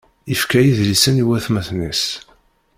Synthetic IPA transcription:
ifkæjiðlisəniwæθmæθnis

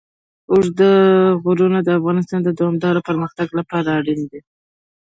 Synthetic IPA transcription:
osd̪əɣʊɾunad̪əafɣɑnɪs̬t̪ɑnd̪əd̪awɑmd̪ɑɾopəɾməxt̪aɡlapɑɾaːɽind̪e

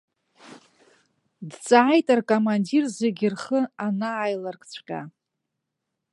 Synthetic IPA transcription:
dt͡sʼaːjtʼarkʼomandirzeɡʲɪrχəanaːjlarkʰʼt͡ɕʷʰqʲʼa̰

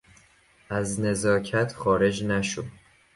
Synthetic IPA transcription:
ʔæzne̞zɒːcʰæt̪ʰxɒːɾe̞d͡ʒnæʃo

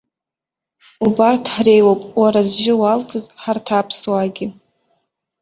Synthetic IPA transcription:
ubartʰħre̞jwowpʼwaɾazʒɪwaltʰɨzħartʰaːpʰswaɡʲɪ

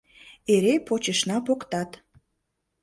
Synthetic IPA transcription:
eɾepot͡ɕə̆ʃnɑpokt̪ɑt̪

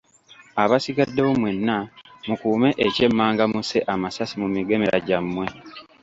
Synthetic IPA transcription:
aβasiɡadːewomwe̞nːamukuːme̞ʔece̞mːaːŋɡamuse̞ʔamasasimumiɡe̞me̞ɾa̰ɟamːwe̞

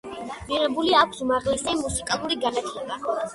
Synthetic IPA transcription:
miʁɛbuliakʷʰsumaʁlɛsɛmusikʼalˠuɾiɡanat̪ʰlɛba

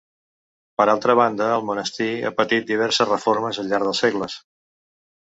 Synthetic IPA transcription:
pəɾalˠt̪ɾəβ̞and̪əːlˠmunəst̪ia̰pət̪it̪̚d̪iβ̞ɛɾsəzrəfoɾməzəʎʎaɾðəlˠsɛɣləs

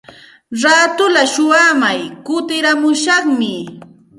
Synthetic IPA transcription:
ɾaːt̪ʊlaʃʊwamajkʊt̪ɪɾamʊʃɑχmɪ

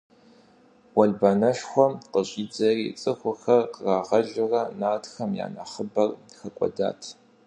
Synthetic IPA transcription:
wɐɮbaːnɐʃxʷɔmqəɕʼiːd͡zɐrḭt͡sʼɨxʷʊxɐrqəraːʁɐɮɪrɐnaːtxɐmja̰ːnɐχəbɐrxɐkʷʼɔ̰da̰ːtʰ

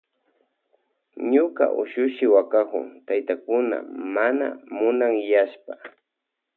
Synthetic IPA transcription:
ɲʊka̰ʔʊ̰ʃʊʃɪwakakʊ̰ŋt̪ajt̪akʊna̰mana̰mʊnaŋjaʃpa

